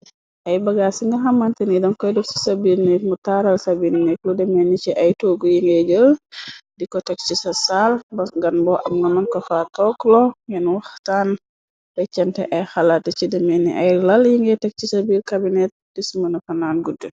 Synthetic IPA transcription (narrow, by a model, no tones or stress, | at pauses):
ʔɐjbɐɡaːsiŋɡɐɦɐmːɐntənidɔnkɔjdufsi̥sabiɾnɛkmutaːɾɐlsɐbiːnnɛkludɛmɛnːit͡ʃiʔɐjtoːɡujiŋɡɛɟəldikɔtɛk̚t͡ʃisɐsalbɐɡɐnbɔʔɐmɡɐmɐnkɔfaːtɔklɔjɛnwɐxtaːn | bɐt͡ʃɛntɛ̰ʔɐjxɐlatːɐt͡ʃidɛmɛnːḭʔɐjlɐljiŋɡɛtɛk̚t͡ʃisɐbiːlkabinɛt̚dismɐnɐfɐnaːnɡudːə